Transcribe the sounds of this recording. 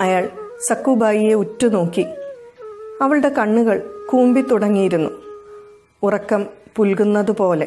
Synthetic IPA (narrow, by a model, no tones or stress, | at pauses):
ɐjaːɭsɐkːubaːjijeutːuno̞ːkːi | ɐʋɐɭɨɽe̞kɐɳːuɣɐɭkuːmbit̪ːuɽɐŋːijiɾunːu | urɐkːɐmpulkunːɐðupo̞ːle̞